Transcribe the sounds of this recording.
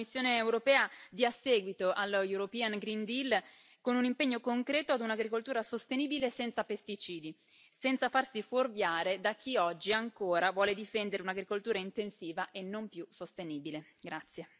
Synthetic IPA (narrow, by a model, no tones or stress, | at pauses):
kmːisːjoːneːewɾopɛːad̪iasɛːɡwit̪oʔalːjuɾopianɡɾind̪il | konunimpeɲːokoŋkɾɛːt̪oad̪unaɡɾikolt̪uːɾasost̪eniːbilesɛnt̪sapest̪it͡ʃiːd̪i | sɛnt̪safarsiforvjaːɾed̪ak̟ːiɔd͡ʒːiaŋkoːɾavwɔːled̪ifɛnd̪eɾeunaɡɾikolt̪uːɾaint̪ensiːvaʔenːompjusost̪eniːbileɡɾat̪sːje